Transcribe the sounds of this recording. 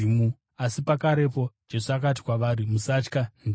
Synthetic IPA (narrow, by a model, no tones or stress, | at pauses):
imu | asipakaɾe̞po̞̥d͡ʒe̞suak̬at̬i̥kwaʋaːɾimusat͡ʃkan